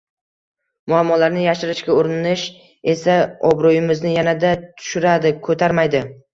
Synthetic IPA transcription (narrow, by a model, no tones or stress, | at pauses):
mʊamːɒlaɾnɪjaʃɪɾɪʃkʲaoɾɪɪnɪʃ | e̞saɒbɾojɪmɪznɪjanad̪at̪ʰʊ̥ʃʊɾad̪ɪkʰɵt̪ʰaɾmajd̪ɪ